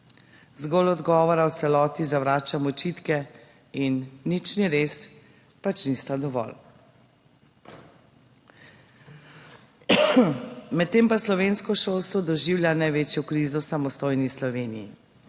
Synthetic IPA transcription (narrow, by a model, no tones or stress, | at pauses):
zɡɔlɔd̪ɡɔːʋɔɾawt̪sɛlɔt̪izaʋɾaːt͡ʃamɔt͡ʃit̪kɛ | inːit͡ʃniɾeːs | pat͡ʃnist̪ad̪ɔʋɔ̰l | mɛt̪ːeːmpaslɔʋenskɔʃolst̪ʋɔd̪ɔʒiːwljanajʋeːt͡ʃjɔkɾizɔwsamɔst̪oːjnislɔʋeːnḭjḭ